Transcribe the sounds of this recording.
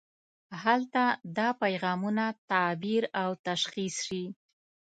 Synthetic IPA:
halt̪ad̪ɑpajɣɑmunat̪abiɾawt̪aʃxisʃi

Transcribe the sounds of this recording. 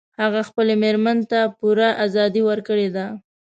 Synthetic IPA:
haɣaxpəlemeɾmənt̪apuɾaʔazɑd̪iwəɾkəɽed̪a

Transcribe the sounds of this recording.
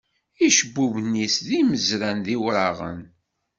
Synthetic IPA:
iʃəbːuvnːisðiməzɾænðiwɾɑʁə̰n

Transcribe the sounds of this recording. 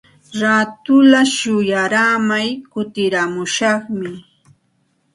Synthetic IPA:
ɾat̪ʊlaʃʊjaɾamajkʊt̪ɪɾamʊʃɑχmɪ

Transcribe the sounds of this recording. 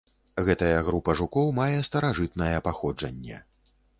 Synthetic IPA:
ɣɛt̪ɐjɐɣɾupɐʐukɔwmajɛst̪ɐɾaʐɨt̪nɐjɛpaxɔd͡ʐɐ̰nʲːɛ̰

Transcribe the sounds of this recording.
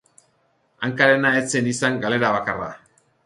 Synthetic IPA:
aŋkaɾe̞naet͡se̞nisaŋɡale̞ɾaβakara̰

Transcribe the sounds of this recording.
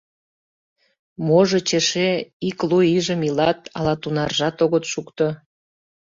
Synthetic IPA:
moʒət͡ɕeʃeikluiʒəmilɑt̪ɑ̰lɑt̪unɑrʒɑt̪oɣət̪ʃukt̪ŏ

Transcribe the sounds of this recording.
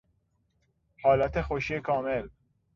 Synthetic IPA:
hɑːlat̪exoʃiekʰɑːmel

